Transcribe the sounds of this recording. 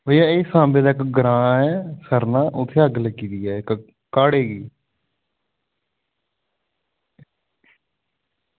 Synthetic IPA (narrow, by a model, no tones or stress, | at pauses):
bəijaːɪsãːmbeːd̪aːɪkɡɾãːɛːsəɾnaːʔʊt̪ʰːeːəɡləɡiːd̪iːɛːɪk | kaːɽeːɡiː